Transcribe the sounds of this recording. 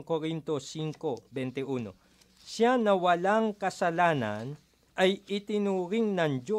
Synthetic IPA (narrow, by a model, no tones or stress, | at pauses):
ŋkoɾint̪o̞siŋko̞bɛnt̪ɛʔuːno̞̰ | ʃanɐwɐlaŋkɐsɐlaːnɐ̰n | ʔɐjʔɪt̪ɪnuːɾiŋnɐŋd͡ʒo